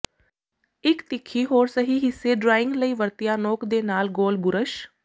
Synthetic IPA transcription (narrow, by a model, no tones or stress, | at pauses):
ɪkt̪ɪkʰːiːɦoːɾsəɦiːɦɪsːeːɖɾaːɪ̃ŋɡləiːʋəɾt̪ɪjaːnoːkd̪eːnaːlɡoːlɡʊɾəʃ